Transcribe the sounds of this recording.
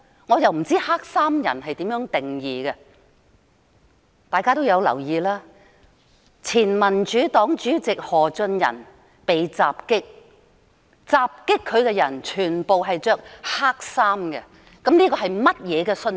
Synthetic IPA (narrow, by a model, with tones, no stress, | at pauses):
ŋɔː˨˧jɐ˨wm̩˨˩t͡siː˥haː˥k̚saː˥mjɐ̰˨˩nɦɐ˨jt̪iː˨˥mjœː˨˥ŋt̪ɪ˨ŋjiː˨ɡɛ˧ | t̪aː˨jkaː˥t̪o˥wjɐ˨˧wlɐ̰˨˩wjiː˨laː˥ | t͡sʰiː˨˩nmɐ˨˩nt͡ʃyː˨˥t̪ɔː˨˥ŋt͡ʃyː˨˥t͡sɪ˨k̚hɔː˨˩t͡sɵ˧njɐ̰˨˩n | pe˨˧jt͡saː˨p̚kɪ˥k̚ | t͡saː˧p̚kɪ˥kʰːɵ˨˧ɥkɛ˧jɐ˨˩nt͡ʃʰyː˨˩npo˨wɦɐ˨jt͡ʃœː˧˥k̚haː˥k̚saː˥mɡɛ˧ | kɐ˨˥mniː˥kɔː˧ɦɐ˨jmɐ˥t̚jɛː˨˧kɛ˧sɵ˧n